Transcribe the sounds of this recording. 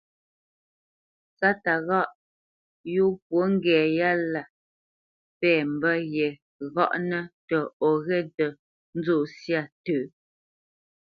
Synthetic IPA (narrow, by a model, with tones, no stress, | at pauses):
t͡sa˦ta˨ɣɔ˦ʔ | ju˦p̚wo˦ŋ̩˦ɡɛː˨ja˦la˨ | pɛː˦˨m̩˨bə˦jɛ˨ | ɣɔ̰˦ʔnə˦tə˨ɔ˨ɣɛ˦tə˨ | n̩˦d͡zo˦˨sja˦˨təː˨